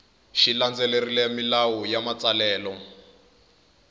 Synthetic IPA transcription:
ʃiland͡zɛlerilɛmilawɔjamat͡salɛːlɔ

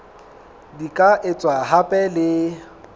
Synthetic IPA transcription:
dikʼaʔɪt͡sʼwaɦapʼɛlɪ

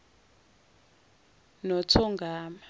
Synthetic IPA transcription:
nɔt͡sʰɔŋɡʱaːma

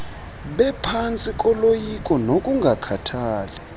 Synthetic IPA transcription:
ɓɛpʰant͡sʼikʼɔlojikʼɔnokʼuŋɡʱakʰatʰaːlɛ

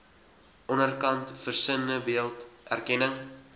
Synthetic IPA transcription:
ʔɔnərkɐntfərsənəbiəlˠtʔæ̰rkɛnəŋ

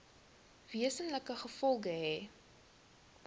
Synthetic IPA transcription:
viəsənləkəχəfɔlˠɡəɦɛː

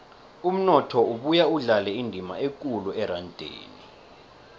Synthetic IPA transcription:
um̩nɔtʰɔuɓujauɮalɛindʱima̰ek̬ʼuluɛɾantʼḛːni

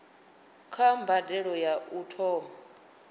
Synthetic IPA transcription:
kʰambʱadɛɺɔjautʰɔ

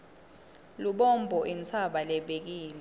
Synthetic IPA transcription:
luɓɔmbʱɔʔint͡sʰaɓalɛɓek̬iːlɛ

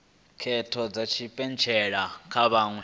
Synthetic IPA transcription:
kʰɛtʰɔd͡zat͡ʃʰipʼɛnt͡ʃʰɛɺakʰaβaŋu

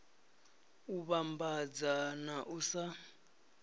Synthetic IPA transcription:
uβambad͡zanaʔusa

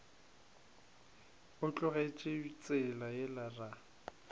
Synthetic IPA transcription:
ʊt͡ɬʼʊɣet͡ʃʼeit͡sʼɪlajɛlara

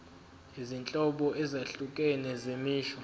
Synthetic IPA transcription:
izint͡ɬʼɔɓɔʔɛzaɬukʼɛnɛzemiːɬɔ

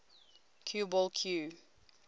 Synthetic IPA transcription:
kʰjubɔlkʰjuː

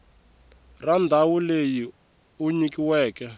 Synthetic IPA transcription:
randʱawuleji | uɲikiwɛːkɛ

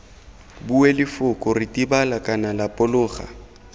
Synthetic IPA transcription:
buwelɪfʊkʼʊritʼibalakʼanalapʼʊlʊːɣa̰

